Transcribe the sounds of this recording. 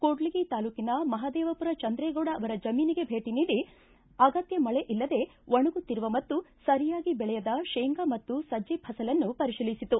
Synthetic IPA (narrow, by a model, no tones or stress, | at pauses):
koːɖliɡit̪aːluːkinɐmɐɦad̪ɛːʋɐpuɾɐt͡ʃɐnd̪ɾɛːɡoːɽɐːʋɐɾɐd͡ʒɐmiːniɡe̞bʱe̞ːʈiniːɽi | ɐɡɐt̪jɐmɐɭe̞ʔilːɐd̪e̞ʋɐɳuɡut̪ːiɾuʋɐmɐt̪ːusɐɾijaːɡibɛɭɛjɐd̪ɐʃeːŋɡamɐt̪ːusɐd͡ʒibʰʱɐsɐlɐnːupɐɾiʃilisit̪u